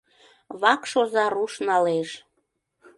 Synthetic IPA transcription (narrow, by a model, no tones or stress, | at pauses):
βɑkʃozɑɾuʃnɑleʃ